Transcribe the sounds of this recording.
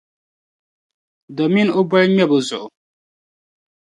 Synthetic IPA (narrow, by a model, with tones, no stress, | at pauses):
dɔ˨mĩ˦no˦bʷa˦ɲɛ˦˨bʊ˨zʊ̰˨